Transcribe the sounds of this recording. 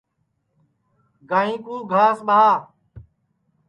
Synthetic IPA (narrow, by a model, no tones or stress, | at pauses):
ɡaːɦĩːkũːɡʱaːsɓaɦaː